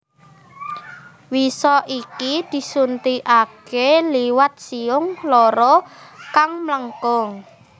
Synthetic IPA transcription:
wisɔʔikid̪̥i̤sunt̪iʔakeliwat̪̚siʊŋlɔɾɔkaŋmləŋkʊŋ

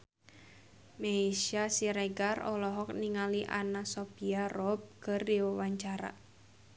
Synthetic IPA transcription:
meiʃasiɾɛɡarɔlɔɦɔk̚niŋaliʔa̰nasɔpiarɔb̚kɨrdiwawaɲt͡ʃaɾa̰

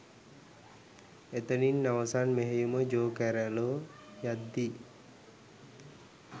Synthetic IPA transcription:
et̪əninːawəsanmeɦejuməd͡ʒoːkɛɾɛlojad̪ːi

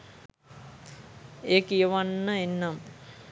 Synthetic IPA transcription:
eːkijəʋanːəenːam

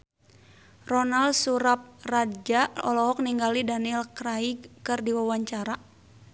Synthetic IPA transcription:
rɔnalsuɾap̚rad͡ʒaɔ̰lɔɦɔk̚niŋɡalidanilkɾaiɡkɨrdiwawaɲt͡ʃaɾa

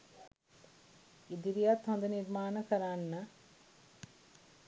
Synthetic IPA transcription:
id̪iɾijat̪hɔnd̪əniɾmaːnəkəɾanːə

